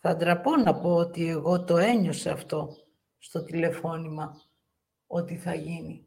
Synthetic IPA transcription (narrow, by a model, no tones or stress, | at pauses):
θɐd̪ɾɐpo̞nɐpo̞ot̪ie̞ɣo̞t̪o̞e̞ɲo̞seɐft̪o̞ | st̪o̞t̪ile̞fo̞nimɐ | o̞t̪iθɐʝini